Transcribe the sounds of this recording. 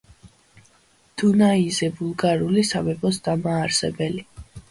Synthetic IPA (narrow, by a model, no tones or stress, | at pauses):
d̪̥unaizɛbulˠɡaɾulisamɛbɔsd̪amaːɾsɛbɛli